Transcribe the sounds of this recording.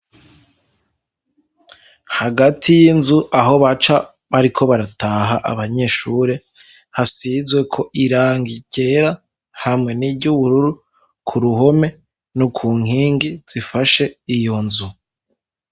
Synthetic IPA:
haɡatʰijinzuʔaɦo̞βat͡ʃa | βaɾikʰo̞βaɾataːɦaʔa̰βaɲe̞ːʃuːɾe̞ | hasizwe̞kʰo̞ʔiɾaːŋɡiɟe̞ɾa | hamŋe̞nibɟuβuɾuɾu | kʰuɾuɦo̞me̞ | nukʰuːŋ̥hiːŋɡiz̥ifaʃe̞ijo̞nzu

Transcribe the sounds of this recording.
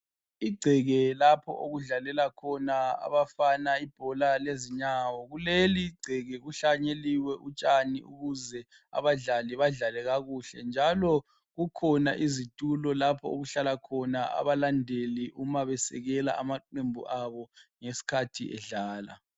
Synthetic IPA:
iɡ͡ǀʱɛɣɛlapʰɔ̰ʔoɣuɮalɛlakʰɔnaa̰βafanaib̥ʱɔlaleziɲawɔɣuleliɡ͡ǀʱɛɣɛɣuɬaɲeliwɛʔut͡ʃʼanḭṵɣuzɛ | a̰βaɮaliβaɮalɛɣaɣuɬɛ̰nd͡ʒʱalɔ | ɣukʰɔnaʔizitʼulɔlapʰɔoɣuɬalakʰɔnaa̰βalandʱeliʔumaβɛsɛ̰ɣɛla̰amaǃembʱṵʔaβɔŋesi̥kʰatʰḭʔɛ̰ɮaːla̰

